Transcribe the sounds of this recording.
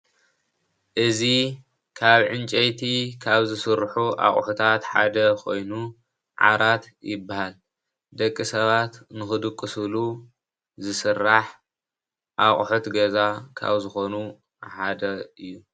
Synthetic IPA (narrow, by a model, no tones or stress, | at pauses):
ʔɨzi | kʰaβʕɨnt͡ʃʼɐjt̪ʰikʰaβzɨsɨɾħuʔa̰χʼħut̪ʰat̪ħa̰d̪ɐkʰo̞jnu | ʕa̰ɾat̪ | jɪbːahal | d̪ɐkʼːisɐβat̪nɨxɨd̪ɨkʼːɨsɨlu | zɨsɨrːaħ | ʔaχʼħut̪ɡɐzakʰa̰βzɨxo̞nu | ħad̪ɐɨjːu